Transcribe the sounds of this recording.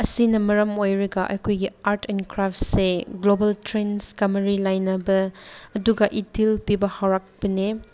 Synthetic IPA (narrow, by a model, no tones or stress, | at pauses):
ɐsinɐmɐɾɐmojɾɐɡɐʔɐ̰jkʰojɡiaɾtenkɾaftseɡlobɐltɾenskɐmɐɾilajnɐbɐɐduɡɐʔitʰilpibɐhawɾak̚b̥ɐne